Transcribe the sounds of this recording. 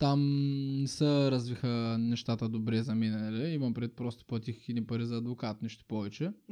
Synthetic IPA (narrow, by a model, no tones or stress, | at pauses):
t̪amnɛsəɾɐzvixənɛʃt̪at̪əd̪obɾɛzɐminɐnɐliimɐnpɾid̪it̪̚pɾɔst̪o̥plˠɐt̪ixinipɐɾizɐːd̪vokat̪niʃt̪o̥pɔvɛt͡ʃɛ